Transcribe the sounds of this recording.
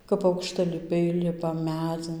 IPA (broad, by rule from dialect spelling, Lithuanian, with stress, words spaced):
kɐp ɐʊkʃtɐlʲɪˈpʲɛɪ ˈlʲɪpɐ ˈmʲæd͡zʲɪn